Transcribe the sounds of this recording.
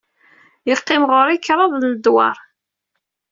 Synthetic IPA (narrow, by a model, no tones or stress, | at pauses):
jəʁqːɪmʁʊɾikːɾˤɑðˤləd̪wɑ̰ɾˤ